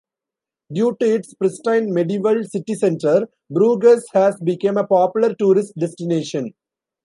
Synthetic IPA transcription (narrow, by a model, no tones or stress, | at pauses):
ɖjuːʈuɪʈspɾɪsʈãɪ̃nmeɖiːʋəlsɪʈisẽɳʈəɾ | bɾuːɡəshæːzbɪkẽmepɔːpjʊləɾʈuːɾɪsʈ̚ɖesʈineːʃə̃n